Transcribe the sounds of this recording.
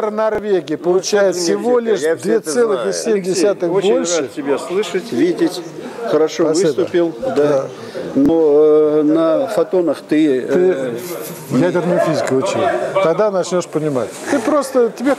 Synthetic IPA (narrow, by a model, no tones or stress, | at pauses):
ɾnɐrvʲeɡʲɪjəpəlˠʊt͡ɕæjɪt̪sʲɪvo̞lʲɪʂd̪vʲet̪sɛlˠɨxɪsʲemʲdʲɪsʲat̪ɨxbɪolʲʂratɨtʲːɪbʲeslˠɨʂətʲvʲidʲɪtʲxəɾɐʂovɨst̪ʊpʲilˠd̪a | nonəfɐt̪o̞nəxt̪ɨt̪ɨ | jædʲɪrnəjʊfʲizʲɪkʊʊt͡ɕḛt̪ɐɡd̪anɐt͡ɕnʲo̞ʂpənʲɪma̰tʲt̪ɨpɾo̞st̪ətʲɪbʲe